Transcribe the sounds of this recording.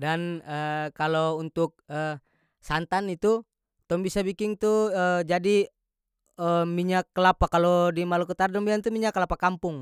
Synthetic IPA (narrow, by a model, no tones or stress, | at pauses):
danəkalount̪ʊk̚ə | sant̪anit̪u | t̪ɔmbisabikɪŋt̪uəd͡ʒadi | əmiɲakːəlapakalodimalukət̪ardɔmbiant̪umiɲakːəlapakampʊŋ